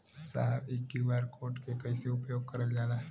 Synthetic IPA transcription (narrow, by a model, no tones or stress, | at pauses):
sa̰ɦbekɡiʋaɾkʰoɾʈkekəjseupjoɡ̚kəɾəld͡ʒala